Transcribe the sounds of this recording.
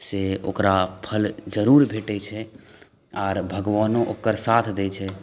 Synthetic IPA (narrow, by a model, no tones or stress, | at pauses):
seo̰kɾapʰəld͡ʒəɾuɾbʱeʈɛt͡ʃʰɛ | ɔːɾbʱəɡʋanoʔokːəɾsat̪ʰd̪ɛt͡ʃʰɛ